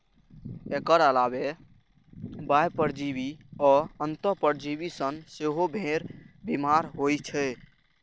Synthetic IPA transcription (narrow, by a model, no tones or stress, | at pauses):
ekəɾəlabe | bajpəɾd͡ʒibiɔːənt̪əpəɾd͡ʒibisənseɦobʱẽɾbimaɾɦojt͡ʃʰɛ